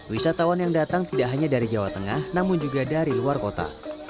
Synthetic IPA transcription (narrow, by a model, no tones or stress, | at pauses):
wisat̪awanjaŋdat̪aŋt̪idaʔɦaɲadaɾid͡ʒawa̰t̪əŋahnamʊnd͡ʒuɡadaɾiluarkot̪a̰